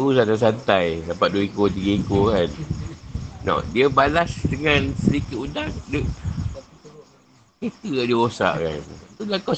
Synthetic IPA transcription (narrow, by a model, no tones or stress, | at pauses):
us̬adas̬ant̪ajdapaʔ̚duikot̪iɡəikokan | nɔ̰diəbalasdəŋãnsədikɪt̪undaŋdə | ket̪əkadiəosa̰ʔka̰nt̪ulaka